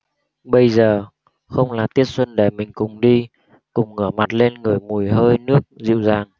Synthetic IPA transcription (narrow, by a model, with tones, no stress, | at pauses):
ɓə˧jzəː˨˩ | xə˧wŋ͡mlaː˨˩t̪i˦˥ət̚swə˧nɗe˧˩mï˨˩ŋ̟kʊ˨˩ŋ͡mɗi˧ | kʊ˨˩ŋ͡mŋəː˧˩ma˨˩t̚le˧nŋɨ˨˩əjmu˨˩əjɦəː˧jnɨ˦˥ək̚zḭ˧˨wzaː˨˩ŋ